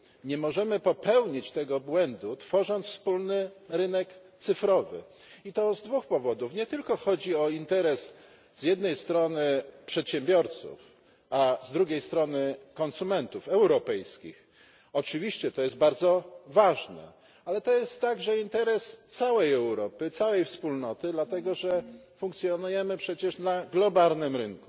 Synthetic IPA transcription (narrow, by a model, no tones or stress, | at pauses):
ɲɛmɔʐɛmɘpɔpɛwɲit͡ɕt̪ɛɡɔbwɛnd̪ut̪fɔʐɔnt̪sfspulnɘɾɘnɛkt̪sɘfɾɔvɘ̰ | it̪ɔzd̪vuxpɔvɔd̪ufɲɛt̪ɘlkɔxɔd͡ʑiɔint̪ɛɾɛs | zjɛd̪nɛjst̪ɾɔnɘpʂɛt̪ɕɛmbʲjɔɾt̪sṵf | azd̪ɾuɡʲejst̪ɾɔnɘkɔnsumɛnt̪ufɛwɾɔpɛjskʲḭx | ɔt͡ʂɘvʲiɕt͡ɕɛt̪ɔjɛst̪̚baɾd̪zɔvaʐnɛ̰ | alɛt̪ɔjɛst̪ːaɡʐɛint̪ɛɾɛst̪sawɛjɛwɾɔpɘt̪sawɛjfspulnɔt̪ɘd̪lat̪ɛɡɔʐɛ | fuŋk̚t̪sʲjɔnujɛmɘpʂɛt͡ɕɛʂnaɡlɔbalnɘmɾɘŋku